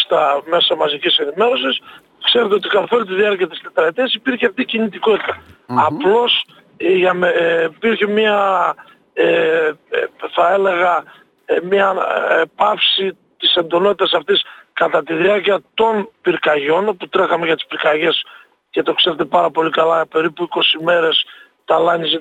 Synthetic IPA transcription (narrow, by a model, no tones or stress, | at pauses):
st̪ɐme̞sɐmɐzicise̞nime̞ɾo̞sis | kseɾet̪eot̪ikɐlθo̞lit̪iðiɐɾciɐt̪ist̪et̪ɾɐt̪iɐsipiɾçeɐft̪icinit̪iko̞t̪i̥t̪ɐːplo̞s | ʝɐmipiɾçemɐ | e | θɐe̞le̞ɣɐ | mɲɐpɐfsi | t̪ise̞nd̪o̞not̪it̪ɐsɐft̪iskɐt̪ɐt̪iðiɐɾciɐt̪o̞npiɾkɐʝo̞noput̪ɾe̞xɐme̞ʝɐt̪i̥spiɾkɐʝe̞s | ce̞t̪o̞kse̞ɾet̪e̞pɐɾɐpo̞likɐlɐpe̞ɾipuiko̞sime̞ɾe̞s | t̪ɐlɐɲize